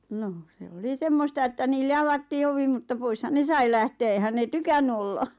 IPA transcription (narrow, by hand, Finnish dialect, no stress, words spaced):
noh se oli semːostɑ etːæ niːlːe ɑʋɑtːiː oʋi mutːɑ poishɑn ne sɑi læhteː eĭhæn neˑ tykænːy olːɑ